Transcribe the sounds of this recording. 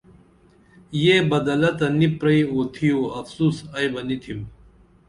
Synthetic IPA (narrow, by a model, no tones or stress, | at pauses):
jeːbɐd̪ɐlɐt̪ɐnipɾɐiot̪ʰijoɐfsuːsɐjbɐnit̪ʰim